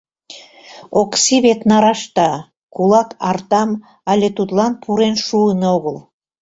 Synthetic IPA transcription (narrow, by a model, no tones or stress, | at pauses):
oksiβet̪nɑɾɑʃt̪ɑ | kulɑkɑrt̪ɑm | ɑlʲet̪ut̪lˠɑnpʰuɾenʃuənoɣəlˠ